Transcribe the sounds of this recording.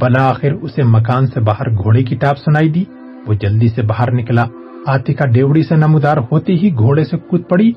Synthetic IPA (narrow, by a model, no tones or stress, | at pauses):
bɐlaːxɪɾʊsemɐkaːnsebaːɦəɾɡʱoːɽekiʈaːpsʊnaːid̪iː | ʋod͡ʒɐld̪isebaːɦəɾnɪkla | aːt̪ikaɖeːʋɽisenɐmud̪aːɾhoːt̪eɦiɡʱoːɽesekʊt̪̚pɐɽiː